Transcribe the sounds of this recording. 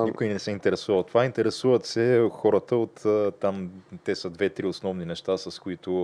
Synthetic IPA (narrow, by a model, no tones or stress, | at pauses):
niikʊinɛsɛint̪ɛɾɛsuvɐt̪ːovaint̪ɛɾɛsuvət̪sɛxɔɾət̪əot̪t̪amt̪ɛsəd̪vɛt̪ɾiʊsnɔvninɛʃt̪asəskʊit̪ʊ